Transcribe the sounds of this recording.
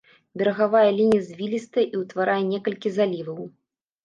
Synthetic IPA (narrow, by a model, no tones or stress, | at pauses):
bʲɛɾɐɣavajɛlʲinʲijɐzʲvʲilʲist̪ɐʔiwt̪vaɾajɛnʲɛkɐlʲkʲizalʲivɐw